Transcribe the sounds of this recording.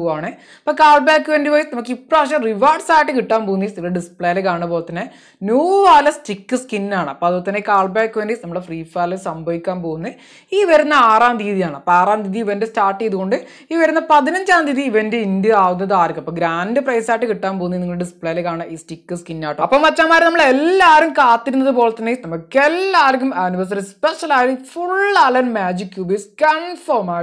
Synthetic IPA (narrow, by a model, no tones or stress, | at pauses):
aːɳɨ | ɐpːoːkaːɭbaːkːɨʋendipoːjsnɐmukːipːɽoɐʂɐmriʋaːɖsaːjʈːɨkiʈːaːnpoːunːɐisniŋːɐɭeɖispɭejɐlekaːɳɐpoːt̪ːɐnːe | njuːaːlɐstikːɨskinːaːɳɨɐpːoɐðut̪ːɐnːekaːɭbaːkːɨʋeːndisnɐmːuɭɽefriːfaːlesɐmbʱɐʋikʲːaːnpoːɣunːɐ | iːʋɐɾunːɐaːraːmd̪iːðijaːɳɨɐpːoaːraːmd̪iːðiʋɐndestaːrʈːejðuɣo̞ɳɖɨ | iːʋɐɾunːɐpɐðinɐɲd͡ʑaːmd̪iːðiiʋɐndeindɨaːʋunːɐðɨaːɾkumɐpːɐːɡɾaːndɨprɐjsaːjʈːɨkiʈːaːnp̬o̞ːnːɐiniŋːɐɭɽɨsɨ̥pɭɐjlekːaːɳaiːstikːɐskinːaːʈːɐɐpːɐmʋɐt͡ɕːaːmaːɾnɐmːɐɭelːaːɾumkaːt̪ːiɾunːɐðɨpo̞ːɭet̪ːɐnːenɐmːukːelːaːɾkːumaːniʋɐrs̬ɐrispeʂɐlaːjfuɭaːlɐnmaːd͡ʑikːjuːbiskɐɳfoːmaː